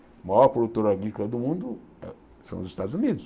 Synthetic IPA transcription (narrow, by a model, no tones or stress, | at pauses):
majɔɾpɾod̪ut̪oɾaɡɾikolɐd̪ʊmũnd̪ʊ | ɛ̰ | sɐ̃w̃ʊzist̪ad̪zunid̪ʊs